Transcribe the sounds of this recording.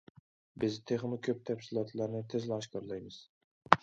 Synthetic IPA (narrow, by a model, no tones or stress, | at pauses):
bɪzt̪ʰeχnokʲʰøp̚t̪ʰafsɪlˠɒt̪ʰlaɾnɪt̪ʰezlɪɒʃkʰɒɾlˠajmɪz̥